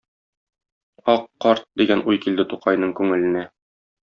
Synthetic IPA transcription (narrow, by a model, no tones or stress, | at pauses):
ɒqːɒɾt̪̚d̪iɡænʔujkild̪ɘt̪uqɑjnɤɴkʉŋɘ̆lɘ̆næ